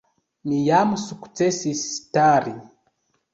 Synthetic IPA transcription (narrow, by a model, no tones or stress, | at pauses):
mijamusuku̥t͡sesistaɾi